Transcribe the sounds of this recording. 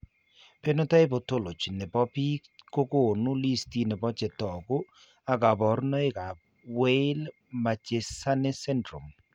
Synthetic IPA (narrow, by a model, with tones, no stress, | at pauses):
pe˦no˦ta˦ɪ˦bo˨to˦lo˨t͡ʃne˨bɔ˦pi˦ | ko˦ko˦˨nu˦li˦sti˦nɛ˨bɔ˦t͡ʃɛ˨tɔ˨ɡʊ˦ | a˨ɡa˨bɔ˨˦ɾnɔ˦ɪ˦ka˨ | we˦l | ma˨t͡ʃe˨sa˦nɛ˦sɛ˦ndɾu˨m